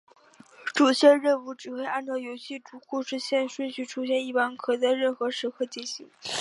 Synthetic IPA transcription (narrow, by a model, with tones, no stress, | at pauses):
ʈ͡ʂu˨˩ɕɛ˥˧ɻə˥˧nu˧˥˩ʈ͡ʂɻ̩˨˩xwe˥˧ɪʔa˥˧nʈ͡ʂɑ˥˩ʊjo˧˥ʊɕʰi˥˩ʈ͡ʂu˨˩kʰu˥˧ʂɻ̩˥˧ɕjɛ˥˧nʂə˥˧nɕy˥˩ʈ͡ʂʰu˥ɕjɛ˥˧ni˥˩pa˥nkʰɤ˨˩t͡sa˥˧ɪɻə˥˩nxɤ˧˥ʂɻ̩˧˥kʰɤ˥˩t͡ɕi˥˩ɕi˧˥ŋ